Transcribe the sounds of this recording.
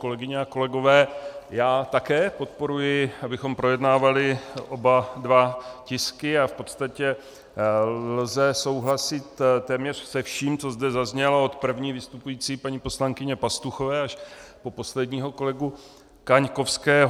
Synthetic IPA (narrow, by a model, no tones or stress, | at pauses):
ko̞lɛɡɪɲɛako̞lɛɡo̞vɛːjaːt̪akɛːpo̞t̪̚po̞ɾujɪabɪxo̞mpɾo̞jɛdnaːvalɪʔo̞badvacɪskɪafpo̞t̪st̪acɛ | lzɛso̞wɦlasɪt̪t̪ɛːmɲɛr̥sɛfʃiːmt͡so̞zdɛzazɲɛlao̞t̪pr̩vɲiːvɪst̪upujiːt͡siːpaɲipo̞slaŋkɪɲɛpast̪uxo̞vɛːaʃpo̞po̞slɛdɲiːɦo̞ko̞lɛɡu | kaɲko̞fskɛːɦ